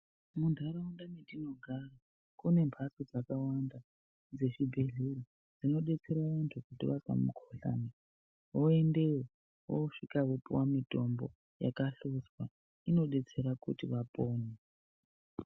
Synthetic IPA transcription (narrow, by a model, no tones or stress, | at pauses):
mundʱaɾaundamidino̞ɡʱara | kune̞mbʱasod͡zakawanda | d͡ze̞ʐibʱe̞ɮeri | d͡zino̞ɗe̞t͡se̞ɾaentokutiʋasa̰mṵkʰoɬa̰ne | woe̞nde̞wo | wo̰ʂikakupuwamito̞mbo̞̰ | ja̰kaɬuswa | ino̞ɗe̞t͡se̞ɾakutiʋapoːne